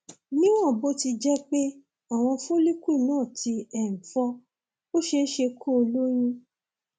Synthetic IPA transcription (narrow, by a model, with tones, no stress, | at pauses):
nĩ˦w̃ɔ̃˦˨bo˦ti˧d͡ʒɛ˦k͡pe˦ | a˦˨w̃ɔ̃˧fo˦li˦ku˦i˦˨nãː˦˨ti˧ɛ̃˨fɔ˧ | o˦ʃe˧n̩˦ʃe˧kʰo˦o˧lo˦j̃ĩ˦